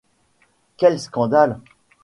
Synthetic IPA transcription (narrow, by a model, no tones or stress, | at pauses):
kʲɛlskɑ̃d̪al